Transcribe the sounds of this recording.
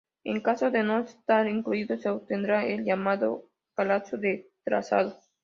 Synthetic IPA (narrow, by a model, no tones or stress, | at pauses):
ḛŋkasoðenoest̪aɾiŋkluiðoseop̚t̪end̪ɾaelʎamaðo̰ | palasjoðet̪ɾa̰sa̰ðo